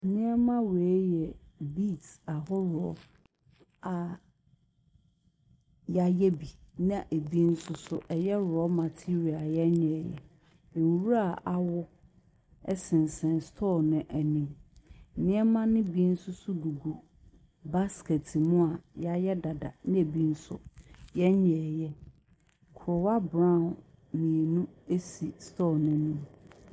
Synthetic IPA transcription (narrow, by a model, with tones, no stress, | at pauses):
n̩˨nɪ̃˦ɛ˦mã˦we˨˦jɛ˨bi˦˨ta˨ɦɔ˦ɾɔ˦ | a˨ | ja˨jɛ˦bi˨nã˦˨ʔe˨bi˦n̩˦sʊ˦sʊ˦ʔɛ˨jɛ˦ɾʊ˨ɔ˦ma˨tʰi˦ɾi˨a˨jɛ˦ɲɛ̃˨jɛ̰˨ | e˨wwu˦a˨ʔa˦wʊ˦ | ɛ˦sɪ̃˨n˨sɛ̃˨nstʰɔ˦˨nɪ̃˨ʔæ˨nĩ˨m̩˨ | nɪ̃˦ɛ˦mã˦nɪ̃˦bi˦n̩˦sʊ˦sʊ˦du˨ɡu˨ | ba˦skɛ˨tʰɪ˨mũ˦a˨ja˦jɛ˦da˨da̰˨nɪ̃˦e˨bi˦n̩˦sʊ̰˦jɛ˦ɲɛ˨jɛ˦ | kʰɾɔ˨wa˦bɾã˦˨n˨ | mĩ˨e˨nũ˦e˦si˨stʰɔ˦˨nɪ̃˨nũ˦m